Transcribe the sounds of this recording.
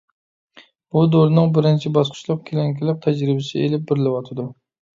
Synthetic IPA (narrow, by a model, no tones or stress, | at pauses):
b̥ud̪oɾnɨŋbɪɾɪnt͡ʃʰibɑsqʰʊ̥ʃlˠʊq̚kʲʰelɛŋkʲɪlɪp̚t̪ʰæd͡ʒɾɪbɪsɪḛlɪp̚bɪɾɪlɪwɑt̪ʰɨd̪u